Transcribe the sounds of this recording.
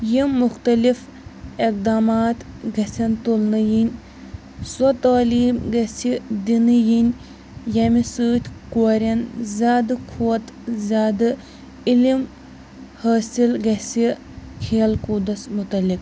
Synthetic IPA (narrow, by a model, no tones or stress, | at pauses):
jimːuxt̪ɐlif | ik̚d̪aːmaːt̪ | ɡɐsʲɐnt̪ulnɨjinʲ | sot̪aːliːmɡɐsʲid̪inɨjinʲ | jɐmisɨːt̪ʲkoɾʲɐnzʲaːd̪ɨkʰuwɐt̪zʲaːd̪ɨ | ilim | hɐːsilɡɐsi | kʰeːlkud̪ɐsmut̪ɐlik